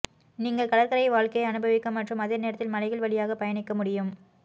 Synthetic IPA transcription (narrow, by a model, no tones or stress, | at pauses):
niːŋɡɐɭkɐɽɐɾkɐɾɐɪʋaːɭkɐjɐnɯbɐʋɪkːɐmːɐʈrɯmɐðeːneːɾɐt̪ːɪlmɐlɐɪɣɐɭʋɐɭɪjaːɣɐpɐjɐɳɪkːɐmʊɽɪjɯm